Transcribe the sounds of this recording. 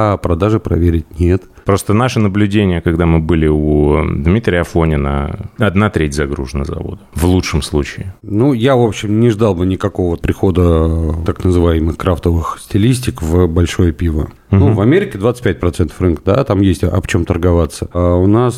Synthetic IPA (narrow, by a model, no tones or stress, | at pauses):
apɾɐd̪aʐɨpɾɐ̰vʲeɾʲɪt̚ʲnʲe̞t̪ | pɾo̞st̪ənaʂɨnəblʲʉdʲenʲɪjəkɐɡd̪amɨbɨlʲɪud̪mʲit̪ɾʲɪjɐfonʲɪnə̰ɐd̪nat̪ɾʲetʲzɐɡɾṵʐənəzɐ̰vo̞̰d̪əvlˠut͡ʂʂəmslˠut͡ɕɪɪnujavo̞pɕːɪmnʲɪʐd̪alˠbɨnʲɪkɐko̞vvəpɾʲɪxo̞d̪ət̪aknəzɨvajɪmɨxkɾaft̪əvɨxsʲtʲɪlʲisʲtʲɪkvbɐlʲʂojəpʲivə̰ | uvɐmʲeɾʲɪkʲɪd̪vat̪sɨ̥tʲpʲɛt̚ʲpɾɐt̪sɛnt̪əfrɨnkəd̪a̰t̪amjesʲtʲɐ̰ft͡ɕo̞mt̪ərɡɐvat̪sːəʊnas